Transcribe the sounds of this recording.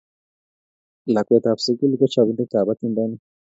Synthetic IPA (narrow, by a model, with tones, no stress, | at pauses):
la˨kwe˨t̪a˨βsi˦ki˦li˦kɔ˦t͡ʃa˨βu˦nd̪u˦ka˨βa˦t̪i˦nda˦ni˦